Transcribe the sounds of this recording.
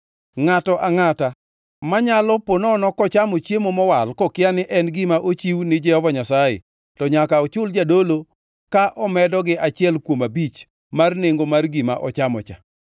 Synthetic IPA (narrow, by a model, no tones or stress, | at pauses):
ŋatɔʔaŋata | maɲalɔponɔnɔkɔt͡ʃamot͡ʃemomɔwalkɔkɪanɪʔɛnɡɪmaʔot͡ʃiwnɪd͡ʒɛhɔvaɲasajɪ̰ | tɔɲakaɔt͡ʃʊld͡ʒadolo | kaʔɔmɛdɔɡɪʔat͡ʃɪɛlkwomabit͡ʃ | marneŋɡomarɡɪma̰ʔɔt͡ʃamɔ̰t͡ʃa̰